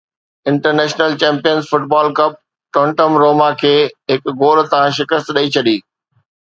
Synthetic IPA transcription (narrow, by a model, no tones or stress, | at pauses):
ɪ̃ɳʈəɾneːʃnəlt͡ɕɛ̃ːmpijənzfʊʈbaːlkɐb̚ | ʈõːɳʈəmɾoːmakʰeːɦɪkɡoːɾt̪ɐãʃɪkəst̪ɗɐit͡ɕʰɐɗiː